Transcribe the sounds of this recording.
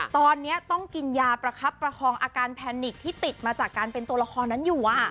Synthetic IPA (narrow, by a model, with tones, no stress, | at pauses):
t̪ɔː˧nːi˦˥ɐt̪ɔ˥˩ŋki˧njaː˧pɾa˧kʰa˦˥pːɾa˧kʰɔː˧ŋʔaː˧kaː˧npʰɛː˧nːi˨˩k̚t̪ʰiː˥˩t̪i˨˩t̪̚maː˧t͡ɕaː˨˩kːaː˧npe˧nt̪u˧ɐɾa˧kʰɔː˧nːa˦˥njuː˨˩ʔa˨˩